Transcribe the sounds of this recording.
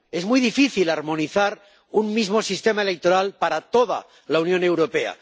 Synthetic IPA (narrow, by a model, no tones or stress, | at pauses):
e̞zmujðifiθilaɾmõ̞niθaɾ | unmizmo̞sist̪emaelek̚t̪o̞ɾalpaɾat̪o̞ð̞a̰ | launjõ̞ne̞wɾo̞pe̞a̰